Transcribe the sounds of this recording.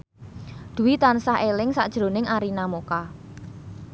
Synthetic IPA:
d̪̥ṳwit̪ansaɦelɪŋsa̰ʔd̥ʒ̥ɾo̤nɪŋaɾinamoka

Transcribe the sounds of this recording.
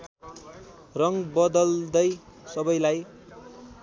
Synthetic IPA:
rʌŋbʌd̪ʌld̪ʌj | sʌbʌjlaj

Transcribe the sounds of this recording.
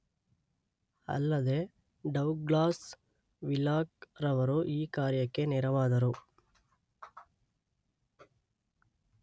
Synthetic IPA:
ɐ̰lːɐd̪eː | ɖɐwɡlaːs | ʋilaːk̚ɾɐʋɐɾuʔiːkaːɾjɐkːenɛɾɐʋaːd̪ɐɾu

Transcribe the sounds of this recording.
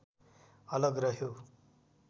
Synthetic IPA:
ʌlʌɡrʌɦjo

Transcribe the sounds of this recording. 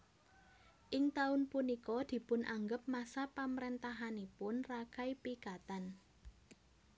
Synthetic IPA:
ʔɪŋt̪aʊnpunikɔd̪̥i̤pʊnʔaŋɡəp̚masapamɾent̪aɦanipʊnrakaipikat̪an

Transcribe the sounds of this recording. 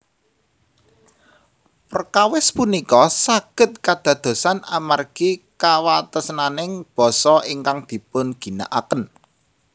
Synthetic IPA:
pərkawɪspunikɔsaɡ̥ə̤t̪̚kad̪̥ä̤d̪̥o̤sanamarɡ̥ikawat̪əsnanɪŋb̥ɔ̤sɔiŋkaŋd̪̥i̤pʊnɡ̥i̤na̰ʔakən

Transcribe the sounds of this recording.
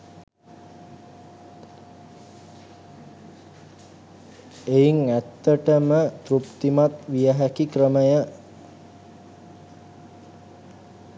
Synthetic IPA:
eiŋæt̪ːəʈəmət̪rupt̪imat̪ʋijəɦækikrəməjə

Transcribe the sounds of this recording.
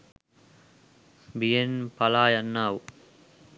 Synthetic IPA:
bijenpɐlaːjɐnːaːʋu

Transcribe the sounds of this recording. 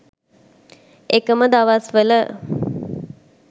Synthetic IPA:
ekəməd̪aʋasʋələ

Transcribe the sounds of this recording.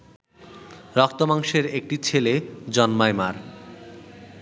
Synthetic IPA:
ɾɔkt̪omaŋʃeɾek̚ʈit͡ɕʰeled͡ʑɔnmaemaɾ

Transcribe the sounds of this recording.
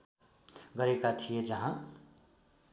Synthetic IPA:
ɡʌɾekat̪ʰijed͡ʒʌɦã

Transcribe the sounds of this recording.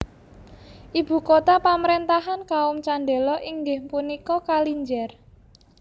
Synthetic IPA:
ʔib̥ṳkot̪apamɾent̪aɦankaʊmt͡ʃaɳɖelɔʔiŋɡɪhpunikɔkaliɲd͡ʒɛr

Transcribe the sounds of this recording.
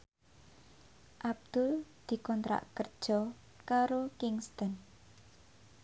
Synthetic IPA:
ʔab̚d̪̥ʊld̪̥i̤kɔnt̪ɾa̰ʔkər̥ʒ̥ɔ | kaɾokɪŋst̪ɔn

